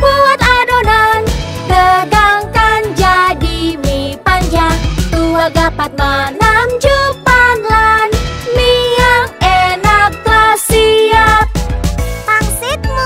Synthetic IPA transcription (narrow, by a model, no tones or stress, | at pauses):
puat̪adonand̪ədaŋkand͡ʒadimipand͡ʒaŋt̪uaɡapat̪̚manamd͡ʒupanlanmiakɛnak̚blasiat̪̚paŋsɪt̪̚m